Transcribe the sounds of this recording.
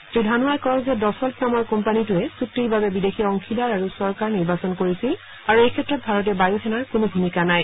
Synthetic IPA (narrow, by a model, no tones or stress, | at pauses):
tudʱanuajkɔɹɔzɛdɔsɔlpnamɔɹkɔmpanitʊɛsutːibabɛbidexʰiɔŋkʰilaɹaɹusɔɹkaɹniɹbasɔnkoɹisil | aɹuejkʰɛtɹɔt̚bʱaɹɔt̬ɛbajuxʰɛnaɹkʊnobʱumikanaj